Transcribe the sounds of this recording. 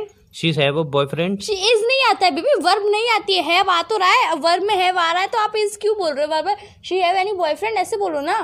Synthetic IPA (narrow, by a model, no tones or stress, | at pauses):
ʃiːzɦɛʋəbɔːjfɾɛ̃ɳɖʃiɪznɐɦĩaːt̪aɦɛbiːbiʋɐɾbnɐɦĩaːt̪iɦɛɦɛʋaːat̪oɾaːɛʋɐɾbmẽɦɛʋaːɾaːɦɛt̪oaːpɪskjũboːlɾeʋɐɾbəɾ | ʃiːɦɛʋɛːnibɔːjfɾɛ̃ɳɖɛːseboːlonaː